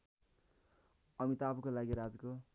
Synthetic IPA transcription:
ʌmit̪ːbukolaɡiɾad͡zko

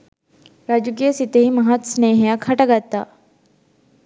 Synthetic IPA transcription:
ɾaːd͡ʒuk̬ijəsit̪eɦimɐɦat̪sneɦjakʰɐʈaɡat̪aː

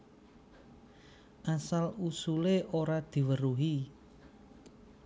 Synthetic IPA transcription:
ʔasalusuleʔoɾad̪̥i̤wəɾuɦi

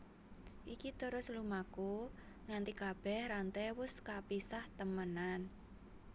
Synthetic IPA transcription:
ʔikit̪əɾʊslumako | ŋant̪ikab̥ɛhɾant̪ɛwʊskapisaht̪əmənan

